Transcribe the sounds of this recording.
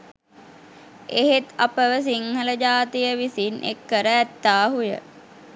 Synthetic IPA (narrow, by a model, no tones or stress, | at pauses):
eɦet̪apəʋəs̬iŋhələd͡ʒaːt̪ijəʋisinʔḛkːəɾəæt̪ːaːɦujə̰